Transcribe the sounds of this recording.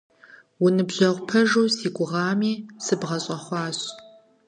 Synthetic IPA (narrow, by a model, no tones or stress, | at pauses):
wʊnɨbʑɐʁʷpʰɐʒuːsiːɡʷʼʊʁɑːmiːsɨbʁɐɕʼɐχʷɑːɕ